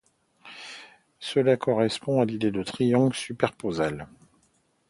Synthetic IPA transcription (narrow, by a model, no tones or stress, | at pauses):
səlakɔʁɛspɔ̃alid̪ed̪ət̪χijɔ̃ɡlsypɛʁpozal